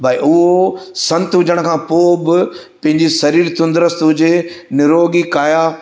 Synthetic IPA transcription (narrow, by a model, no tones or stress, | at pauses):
bʱaiʔʊɦosɐ̃nt̪ɦʊd͡ʑəɽ̃kʰãːpoːbɪ | pɐ̃ɦɪ̃ɲd͡ʑisɐɾiːɾt̪ʊ̃nd̪ɾəst̪ɦʊd͡ʑenɪɾoːɡikaːjaː